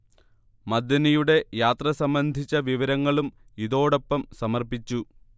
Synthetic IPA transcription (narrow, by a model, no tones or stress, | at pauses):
mɐd̪ːɐnɐjuɽe̞jaːt̪rɐsɐmbɐnd̪ʱit͡ɕːɐʋiʋɐɾɐŋːɐɭumiðo̞ːɽo̞pːɐmsɐmɐrpit͡ɕːu